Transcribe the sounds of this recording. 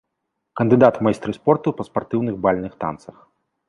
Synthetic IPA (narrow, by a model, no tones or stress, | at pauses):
kɐnd̪ɨd̪at̪majst̪ɾɨspɔrt̪upɐspart̪ɨwnɨɣbalʲnɨxt̪a̰nt̪sɐx